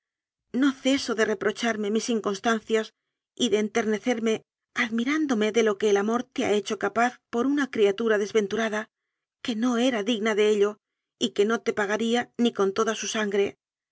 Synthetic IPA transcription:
no̞θe̞so̞ðe̞re̞pɾo̞t͡ʃaɾme̞misiŋko̞nst̪anθjas | iðe̞ːnt̪e̞ɾne̞θe̞ɾme̞ | aðmiɾand̪o̞me̞ðe̞lo̞ke̞ːlamo̞ɾt̪e̞a̰e̞t͡ʃo̞kapaθpo̞ɾunakɾiat̪uɾaðe̞zβẽ̞nt̪uɾaða | ke̞no̞e̞ɾaðiɣnaðe̞eʎo̞ | ike̞no̞t̪e̞paɣaɾianiko̞nt̪o̞ðasusaŋɡɾe̞

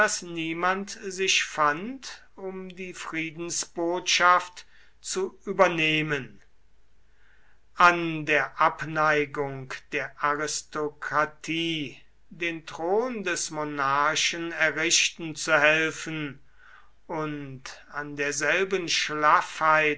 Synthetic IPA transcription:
asniːmantzɪʃfant | ʊmdiːfʁ̥iːdn̩sb̥oːtʃaft | t͡suʔyːbɐneːmən | ʔandeːɐʔapnaɪɡʊŋkd̥eːɐʔaʁɪstokʁatʰiː | deːntʁ̥oːndɛsmonaɐʃənɛɐʁɪʃtn̩t͡suhɛlfən | ʔʊntandeːɐzɛlbənʃlafhaɪ

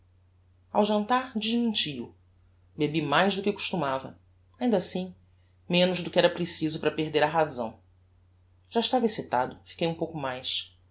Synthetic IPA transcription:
a̰wʒɐ̃nt̪aɾd͡ʒiʒmĩɲt͡ʃiʊ̰ | bebimajzd̪ʊkɪku̥ʃt̪umavɐ̰ | aĩnd̪asĩ | mẽnʊʒd̪ʊkɪɛɾɐpɾesizʊpɾɐpeɦd̪eɾɐɦazɐ̰̃w̃ | ʒ̥aiʃt̪avɐesit̪ad̪ʊfi̥kejũpowkʊmajs

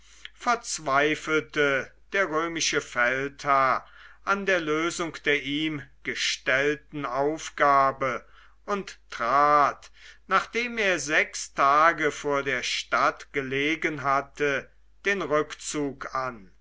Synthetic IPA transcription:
fɛɐt͡sv̥aɪfl̩təd̥eːɐʁøːmɪʃəfɛlthaɐʔandeːɐløːzʊŋkd̥eːɐʔiːmɡ̥əʃtɛltn̩aʊfɡ̥aːbə | ʊntːʁ̥aːtnaːχd̥eːmeːɐzɛkstʰaːɡəfoːɐdeːɐʃtatɡ̥əleːɡənɦatʰə | d̥eːnʁʏkt͡suːkan

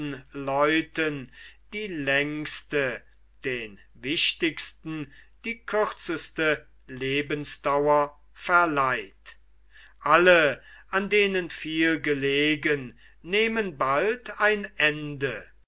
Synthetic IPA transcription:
n̩lɔʏtənd̥iːlɛŋkstə | d̥eːn | vɪʃtɪkstn̩d̥iːkʰʏχsəst̪ə | leːbənsd̥̪awɐ | fɛɐlaɪt | ʔaləʔandeːnənfiːlɡəleːɡənː | eːmənbaltʰaɪnɛndə

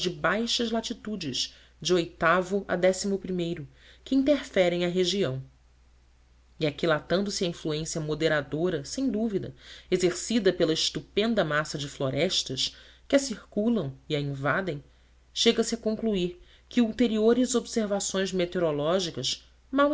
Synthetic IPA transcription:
d͡ʒɪbajʃɐzlat͡ʃit̪ud͡ʒɪʃ | d͡ʒɪojt̪avʊʔa̰d̪ɛsimʊpɾimejɾʊ | kɪĩnt̪eɾfɛɾẽj̃ɐɦeʒiɐ̃w̃ | iakilat̪ɐ̃nd̪ʊsɪɐĩfluẽsiɐmod̪eɾad̪oɾɐsẽj̃d̪uvid̪ɐ̰ezeɾsid̪ɐpelɐɪʃt̪upẽnd̪ɐmasɐd͡ʒɪfloɾɛʃt̪ɐʃ | kɪɐsihkulɐ̃w̃iɐĩvad̪ẽj̃ | ʃeɡɐsɪɐkõŋkluiɾ | kɪuwt̪eɾioɾɪzobseɾvasõj̃zmet̪eoɾolɔʒikɐʃ | maw

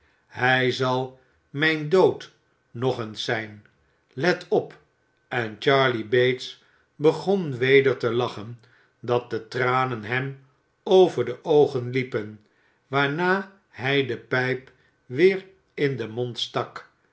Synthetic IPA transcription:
ɦɛjzɑlˠ | mɛjndowt | nɔχənsɛjn | lɛtʰɔp | ɛnt͡ʃɑɹlibejts | bəχonʋejdəɹtəlɑχən | dɑt̚dətraːnənɦɛm | owvəɹdəʔowχənlipən | ʋaːɹnaː | ɦɛjdəpɛjp | ʋɪːɹ | ɪndəmɔntstɑk

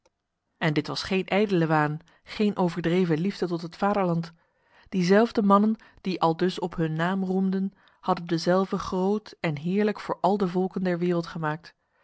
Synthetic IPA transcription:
ʔɛndɪtʋɑsχejnʔɛjdələʋaːn | χejnʔowvəɹdrejvənlivdətɔtɦətfaːdəɹlɑnt | d̥izɛlˠvdəmɑnən | d̥iʔɑlˠdɵsɔpɦɵnːaːmrumdən | hɑdəndəzɛlˠvəχrowtɛnɦɪːɹləkfʊːɹʔɑlˠdəvɔlˠkəndɛɹʋɪːrəlˠtχəmaːk̚t

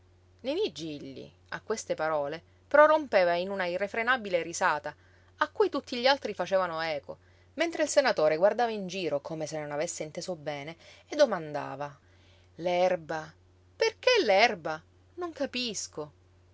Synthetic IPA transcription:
nemid͡ʒiʎːḭ | a̰kːwest̪epaɾɔːle | pɾorompeːvainunairːefɾenabileɾizaːt̪a | akːujt̪ut̪ːiʎːialt̪ɾifat͡ʃeːvanoɛːko̰ | ment̪ɾeilsenat̪oːɾeɡward̪aːvaind͡ʒiːɾokʰomesenonavesːeint̪eːsobɛːneed̪ːomand̪a̰ːva | lɛrba | perkelɛrba | noŋkapisko

